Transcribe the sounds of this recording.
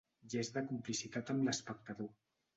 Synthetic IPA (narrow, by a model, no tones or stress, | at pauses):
ʒezðəkumplisit̪at̪əmləspək̚t̪əðo